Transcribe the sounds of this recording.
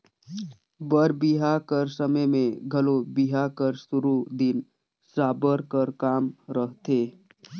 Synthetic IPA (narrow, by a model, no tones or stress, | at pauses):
bəɾbɪɦakəɾsəməjmẽɡʱəlobɪɦakəɾsʊɾud̪ɪn | saːbəɾkəɾkaːmɾəɦt̪eː